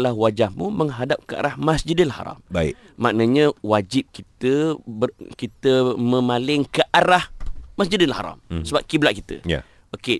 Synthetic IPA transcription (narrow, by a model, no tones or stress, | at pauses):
lahwad͡ʒahmũməŋɦadap̚kəa̰ɾahmasd͡ʒidənlaha̰ɾa̰mbaɪ̰ | mːaʔnəɲə̃wad͡ʒip̚kit̪əbəkit̪əmə̃malɪŋkəʔaɾahmasd͡ʒidənlaha̰ɾa̰msəbap̚kiblaʔkit̪ə̰ja̰ | oke